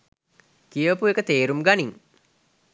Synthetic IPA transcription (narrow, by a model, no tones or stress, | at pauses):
kijəpuekət̪eːɾumɡaniŋ